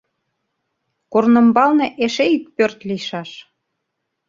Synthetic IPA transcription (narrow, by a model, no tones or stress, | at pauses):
kornə̆mbɑlnĕʔeʃeik̚pørt̪liʃɑʃ